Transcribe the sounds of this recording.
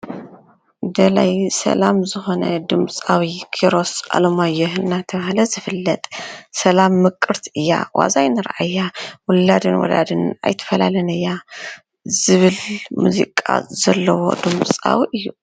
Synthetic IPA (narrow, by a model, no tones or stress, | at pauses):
d̪ɐlajsɐ̰lamzɨxo̞nɐd̪ɨmt͡sʼawikʰiɾo̞sʔa̰lomajːɛɦɨnːat̪ʰɐβahlɐzɨfɨlːɐt̪ʼsɐlamːɨkʼːɨɾt̪ʰiɨjːa̰wa̰zajnɨɾʔajːawʊlːad̪ɨnwɔ̰lad̪ɨna̰jt̪ʰɐ̥fɐlalɐnɨjːa | zɨβɨlmṵzḭkʼa̰zɐlːɐwo̞̰d̪ɨmt͡sʼa̰wiʔɨjːu